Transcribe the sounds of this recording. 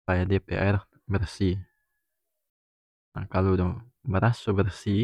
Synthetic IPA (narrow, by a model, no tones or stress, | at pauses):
ajadepeʔɛɾ | bərsi | akalodɔ | bəɾʔasubərsi